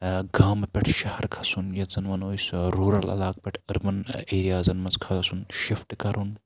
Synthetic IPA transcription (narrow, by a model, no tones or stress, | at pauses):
ɡaːmpʲɛʈʰʃɐhɐɾkʰɐ̥sunjɐt̪zɐnʋɐnoːjsɾuːɾɐlɐ̰laːk̚pʲɛʈʰɐɾmɐneːɾijaːzɐnmɐnt͡skʰɐzɐsunʃifʈkɐɾun